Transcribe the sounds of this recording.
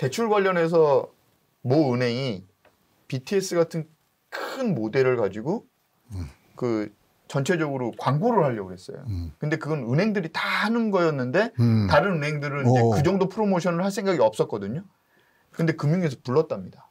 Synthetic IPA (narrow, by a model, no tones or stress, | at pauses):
te̞t͡ɕʰuɭɡwaʎːʌne̞s̬ʰʌ | mʌɯnɦe̞ŋi | pitʰies͈ɯɡatʰɯn | kʰɯnmode̞ɾɯɭkad͡ʑiɡo | kɯ | t͡ɕʌnt͡ɕʰe̞d͡ʑʌɡɯɾokwaŋɡoɾɯɭhaʎːʌɡuɦe̞s͈ʌ̰jo̰kɯnde̞kɯɡʌnɯnɦe̞ŋdɯɾitahanɯnɡʌjʌnːɯnde̞taɾɯnɯnɦe̞ŋdɯɾɯnid͡ʑekɯd͡ʑʌŋdopʰɯɾomoɕʰʌnɯɭɦaɭsʰe̞ŋɡaɡiʌp̚s͈ʌt̚k͈ʌdɯɲo | kɯnde̞kɯmjuŋe̞s̬ʰʌpuɭːʌt̚t͈amɲida